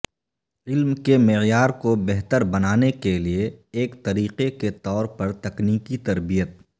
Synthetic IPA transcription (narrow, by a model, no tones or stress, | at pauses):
ɪlmkemɪjaːɾkobɛɦt̪əɾbɐnaːnekelieːkt̪ɐɾiːqeket̪ɔːɾpɐɾt̪ɐkniːkit̪ɐɾbijət̪̚